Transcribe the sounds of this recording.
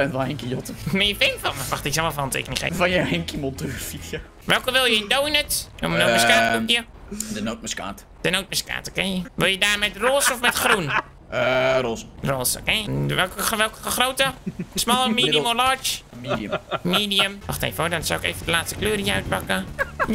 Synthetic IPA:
ɛntʋɔlenkijotəmeəfɪnfɔnməʋaxtɪksɔmɔfɔntḛkənixḛfɔnjəenkimɔlˠtufitjə | ʋɛlˠkəʋɪlˠjəɪndownətomənoːmskaːtujə | dənowt̚məska̰ːt | d̥ənowt̚məska̰ːtə̥kɛnjəʋɪlˠjədaːrmɛtroːsɔfmɛtxrun | əroːsroːsə̰kɛnjəʋɛkəʋɛlˠkəəxrowtəsmɔlˠəmiːdiəmolɔt͡ʃmːmiːdiəmʋɔxtḛjfəodɔnsa̰wɪkḛjvədəlaːtstə̥kløːɾijəœɥt̚pakəj

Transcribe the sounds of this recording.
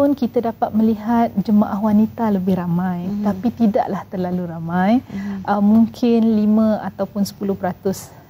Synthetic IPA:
pʊnkit̪adapat̪̚mə̃liɦat̪̚d͡ʒəmãʔaɦwanit̪aləbɪhɾamãjt̪apit̪ida̰ʔlaht̪ərlaluɾamãjʔəmmũŋkʰɪnlimə̃at̪awpʊnsə̥pulʊhpəɾat̪ʊs

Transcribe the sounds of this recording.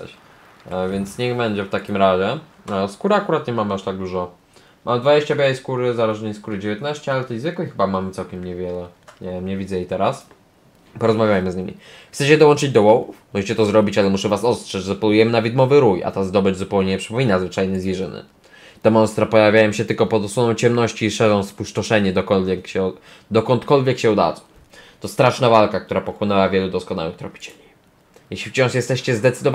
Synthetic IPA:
vʲɛnt̪sɲɛɣbɛɲd͡ʑɛft̪akʲimɾaʑɛ | skuɾakuɾat̪ɲɛmamɘaʂt̪aɡ̚d̪uʐɔ | mʔamɘd̪vad͡ʑeɕt͡ɕabʲjawɛjskuɾɘzaɾɛʐnɛjskuɾɘd͡ʑevʲjet̪naɕt͡ɕɛalɛt̪ɛjzvɘkɛjxɘbamamɘt̪sawkʲɛmɲɛvʲjɛlɛɲɛvʲɛmɲɛvʲidzɛjeijt̪ɛɾas | pɔɾɔzmavʲjajmɘzɲimʲḭxt̪ɛt͡ɕɛd̪ɔwɔnt͡ʂɘd͡ʑd̪ɔwɔwufmɔʐɛt͡ɕɛt̪ɔzɾɔbʲit͡ɕalɛmuʂɛvasɔst̪ʂɛt͡ɕzɔpɔlujɛmɘnavʲid̪mɔvɘɾuja̰t̪azd̪ɔbɘd͡ʑzupɛwɲeɲɛpʂɛpɔmʲinazvɘt͡ʂajnɘzvʲjʲɛʐɘnɘ̰ | t̪ɛmɔnst̪ɾapɔjavʲjajɔmɕɛt̪ɘlkɔpɔd̪ɔswɔnɔ̃w̃t͡ɕɛmnɔɕt͡ɕiːʂɛʐɔ̃w̃spuʂtɔʂɛɲɛd̪ɔkɔlvʲjɛkɕɛ | d̪ɔkɔnt̪kɔlvʲjɛkɕɛud̪a̰zɔ | t̪ɔst̪ɾaʂnavalkak̚t̪uɾapɔxwɔnɛwavʲjɛlud̪ɔskɔna̰wɨxt̪ɾɔ̰pʲi̥t͡ɕɛ̥ɲɛ | jɛɕlʲift͡ɕɔ̃w̃ʂjɛst̪ɛɕt͡ɕɛzd̪ɛt̪sɘd̪ɔv

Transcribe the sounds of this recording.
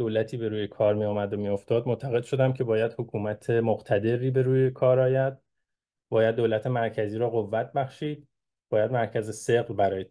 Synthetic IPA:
d̪̥oːlæt̪ʰiːbe̞ɾuːjekʰɒːɾmijɒːmæd̪omijo̞ft̪ɒːd̪̚mot̪ʰæɣe̞d̪ʃo̞d̪æmcʰe̞bɒːjæd̪̥hokʰuːmæt̪ʰe̞moɣt̪ʰæd̪e̞ɾiːbe̞ɾuːjekʰɒːɾɒːjæd̪̥̚ | bɒːjæd̪ːolæt̪ʰe̞mæɾcʰæziːɾɒːɣovːæt̪̚ʰbæχʃiːd̪̥̚ | b̥ɒːjæd̪mæɾcʰæzeseɣlbæɾɒːje

